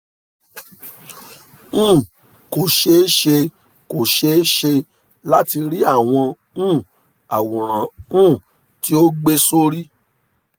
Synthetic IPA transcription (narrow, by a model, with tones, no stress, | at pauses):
ũ˦˨ | ko˨ʃe˧˦ʃe˧ | ko˨ʃe˧˦ʃe˧ | la˦ti˧ɾi˦a˦˨w̃ɔ̃˧ | ũ˦˨ | a˨wɔ̃˨ɾ̃ã˨ũ˦˨ | ti˦o˦ɡ͡be˦so˦ɾi˦